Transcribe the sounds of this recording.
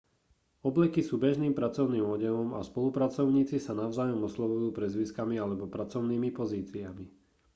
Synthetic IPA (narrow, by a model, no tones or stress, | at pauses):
ɔblɛkisuːbɛʒniːmpɾat͡sɔʊniːmɔɟɛʋɔmaspɔlupɾat͡sɔʊɲiːt͡sisanaʊzaːjɔmɔslɔʋujuːpɾɛzʋiskamialɛbɔpɾat͡sɔʊniːmipɔziːt͡siami